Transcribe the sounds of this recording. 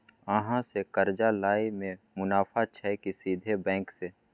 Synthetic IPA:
əɦãsekəɾd͡ʒalaːimẽ | mʊnaːfʰat͡ʃʰɛkisiːd̪ʱebɛ̃ːkseː

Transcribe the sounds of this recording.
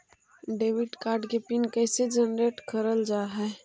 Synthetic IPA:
ɖeʋiʈkaːɾɖkepinkəsed͡ʒənɾeʈkəɾəld͡ʒaɦɛ

